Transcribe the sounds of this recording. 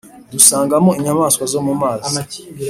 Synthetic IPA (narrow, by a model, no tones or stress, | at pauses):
dusaːŋɡamoiɲamaːskwazomumaːza